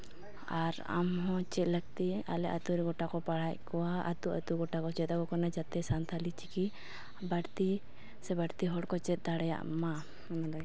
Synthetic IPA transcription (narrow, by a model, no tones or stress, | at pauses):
aɾa̰mɦɔ̃t͡ʃɛt̪̚ləɡt̪ia̰lɛʔat̪uɾɛɡɔʈakɔpaɽ̤ackɔwaa̰t̪uʔə̰t̪uɡɔʈakɔt͡ʃɛt̪akɔkɔnɛd͡ʒat̪ɛsant̪ʰalit͡ʃiki | baʈt̪i | sɛbaɽt̪iɦɔɽkɔt͡ʃɛt̪̚d̪aɽɛja̰ʔma